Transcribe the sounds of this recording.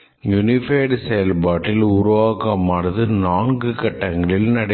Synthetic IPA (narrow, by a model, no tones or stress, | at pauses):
jʊnɪfeːɖsɛjɐlpaːʈːɪlʊɾʊʋaːɣɐmːɐɽɐðɯnaːnɡɯkɐʈːɐŋɡɐɭɪlnɐɽɐ